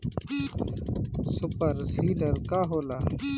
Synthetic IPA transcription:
supɐɾsiːlɐɾkaːɦoːla

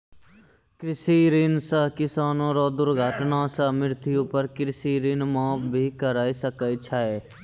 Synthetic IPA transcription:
kɾɪsiɾinsəɦkɪsaːnõːɾad̪ʊɾɡʱəːʈnasɐmɪɾt̪ʰiopəɾkɾɪsiːɾinmãːpbʱikəɾaːisɐkəit͡ʃʰaːɛː

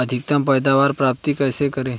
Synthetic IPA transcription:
ɐd̪ʱɪk̚t̪əmpɛːd̪aːʋaːɾpɾaːp̚t̪ikɛːsekɐɾẽː

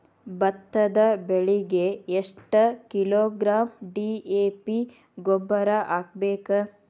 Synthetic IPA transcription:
bɐt̪ːɐd̪ɐbeɭiɡeːʂʈɐkiloːɡɾaːmɖiːeːpi | ɡobːɐɾaʔaːɡ̚beːkɐ

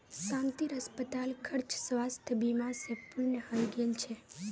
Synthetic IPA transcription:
ʃãnt̪iɾəspət̪alkʰəɾt͡ʃsʋast̪ʰbimasepuɾnəhəjɡelt͡ʃʰe

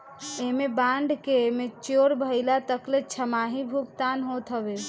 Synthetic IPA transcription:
emebãɳɖʱkemet͡ʃoɾbʱəjlat̪əklet͡ʃʰəmaɦibʱukt̪anɦot̪ɦəbe

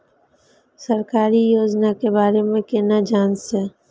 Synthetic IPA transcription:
səɾkaːɾijoːd͡ʒnakebaːɾemẽkɪnad͡ʒaːnse

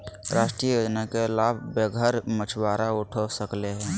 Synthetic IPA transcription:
ɾaːʃʈɾijəjoːd͡ʒnakeɪlaːbʱbeɡʱəɾmət͡ʃʰbaːɾaʊʈʰosəkleɦɛ̃ː

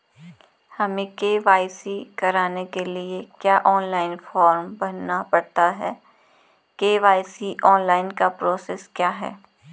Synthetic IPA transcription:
hɐmẽkeːʋaːɪsikɐɾaːnekeliekjaːʔɔːnlaːɪnfɔːɾmbɐnːapɐɽt̪aɦɛː | keːʋaːɪsiʔɔːnlaːɪnkapɾoːseskjaːɦɛ̰ː

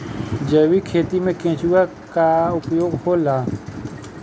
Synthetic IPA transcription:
d͡ʒəːwikʰeːt̪imẽkẽːt͡ʃua | kaʊpjoːɡholaː

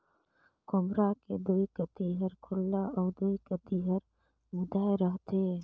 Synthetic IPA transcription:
kɔmɾaked̪oːikət̪iɦəɾkʰʊlːaɔːɾd̪oːikət̪iɦəɾ | mʊd̪aːeɾəɦt̪e

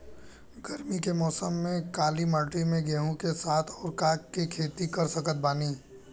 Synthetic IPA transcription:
ɡɐɾmikemɔːsəmːẽkaːlimaːʈimẽɡɛ̃ːɦũkesaːt̪ʰɔːɾkaːkːikʰeːt̪ikɐɾsɐkət̪̚baːniː

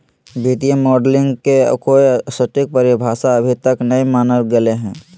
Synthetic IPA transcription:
biːt̪ijəmɔːɖlɪ̃ŋɡkḛkoesəʈik̚pəɾibʱaːsaəbʱit̪əknəimaːnəlɡeleɦɛ̃ː

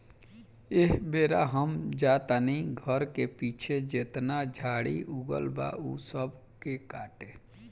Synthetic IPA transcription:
eɦbeːɾaɦəmd͡ʒaːt̪aniɡʱəɾkepiːt͡ʃʰed͡ʒet̪nad͡ʒʱaːɽḭʔuɡə̰lba̰usəb | kekaːʈe

